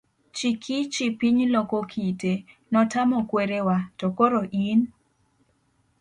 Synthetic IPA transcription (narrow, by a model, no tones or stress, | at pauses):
t͡ʃikʰit͡ʃipiɲlokokʰite | nɔtamɔkweɾewatokoɾoʔin